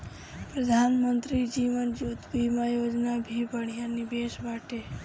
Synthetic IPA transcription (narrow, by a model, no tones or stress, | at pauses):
pɾəd̪ʱanmənt̪ɾid͡ʒimənd͡ʒud̪bimãjod͡ʒnabʱibʱəɳ̤̃ijanibeʃʋaʈe